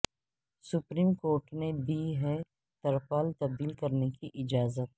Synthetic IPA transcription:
sʊpɾiːmkoːɾʈmebʱiɦɛ | t̪ɐɾfaːlt̪ɐb̚d̪iːlkɐɾnekiʔɪd͡ʒaːzət̪̚

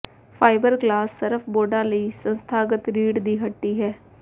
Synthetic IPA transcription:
pʰaːɪbəɾɡlaːsːəɾəfʰboːɖãːləiːsə̃nst̪ʰaːɡət̪ɾiːɖd̪iːɦəʈːiːɦɛː

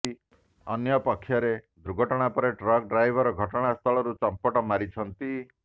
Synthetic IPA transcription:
ɔnjɔpɔkʰːjɔɾed̪ɾuɡʱɔʈɔɽ̃apɔɾeʈɾɔk̚ɖɾajbʱɔɾɔɡʱɔʈɔɽ̃ast̪ʰɔɭɔɾut͡ʃɔmpɔʈɔmaɾit͡ʃʰɔnt̪i

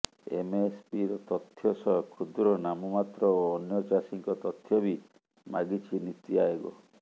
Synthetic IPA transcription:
ḛmespiɾɔt̪ɔt̪ʰːjɔsɔɦɔkʰud̪ɾɔnamɔmat̪ɾɔoːnjɔt͡ʃasiŋkɔt̪ɔt̪ʰjɔbi | maɡit͡ʃʰinit̪iaebɔ̰

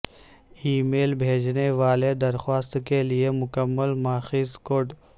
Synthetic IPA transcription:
iːmeːlbʱeːd͡ʒneʋaːled̪ɐɾxwaːst̪keliemʊkəmːəlmaːxizkoːɖ

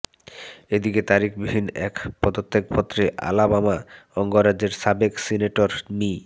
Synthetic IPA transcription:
ed̪iket̪aɾikʰbibʱinːɛkpɔd̪ot̪ːek̚pɔt̪ːɾeʔa̰labamaɔŋɡoɾːad͡ʑeɾsabeksineʈoɾmi

